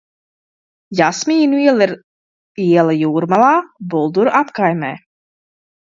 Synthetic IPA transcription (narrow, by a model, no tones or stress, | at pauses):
jasmʲiːnuiɛlˠiɾ | iɛlˠajuːɾmalˠaːbulˠd̪uɾʔapkajmɛ̰ː